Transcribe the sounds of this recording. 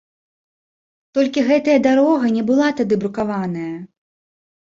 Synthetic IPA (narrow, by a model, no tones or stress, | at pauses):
t̪ɔlʲkʲiɣɛt̪ɐjɐd̪aɾɔɣɐnʲɛbɨlˠat̪ad̪ɨbɾukavanɐjɐ